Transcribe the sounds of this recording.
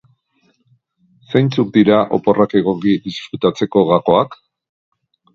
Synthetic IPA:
sejnt͡suk̚d̪iɾaʔo̞po̞rake̞ɣ̞o̞kid̪isfɾut̪at͡se̞ko̞ɣako̞ak

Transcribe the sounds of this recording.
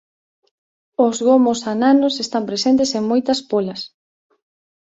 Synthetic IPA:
ʊzɣomosananʊsest̪ampɾesent̪eseŋmojt̪ɐspolɐs

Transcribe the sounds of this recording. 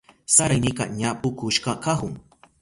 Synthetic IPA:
saɾajnika̰ɲapʊkʊʃkakahʊŋ

